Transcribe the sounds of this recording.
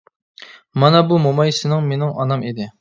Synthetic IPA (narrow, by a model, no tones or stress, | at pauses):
mɑnɛbumomɑjsɪnɪŋmenɪŋʔɑnɑmed̪ɪ